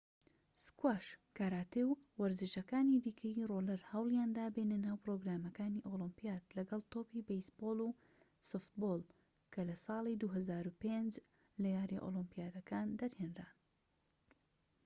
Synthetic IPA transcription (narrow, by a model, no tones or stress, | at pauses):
skwaːʃkaːɾaːt̪ewwɐɾzɨʃɐkaːnid̪iːkʰəjirolɐɾhɐwlˠjaːnd̪aːbenɨnaːwpɾoɡɾaːmɐkaːniʔolɨmpijaːt̪lɐɡɐlˠt̪oːpibejsboːlˠu | soft̪̚bolˠ | kʰɐlɐsɑːlˠid̪uɦɐzaːɾupend͡ʒ | lɐjaːɾiʔo̰lˠɨmpijaːd̪ɐkaːnd̪ɐɾheːnra̰ːn